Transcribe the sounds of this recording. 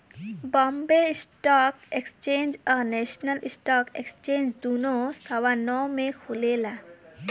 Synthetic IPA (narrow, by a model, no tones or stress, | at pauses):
bɔ̃ːmbeɪsʈaːkekst͡ʃẽːɲd͡ʒɔːɾnɛːʃnəlɪsʈaːkḛkst͡ʃẽːɲd͡ʒd̪uːnõsɐwanɔːmẽkʰʊleːlaː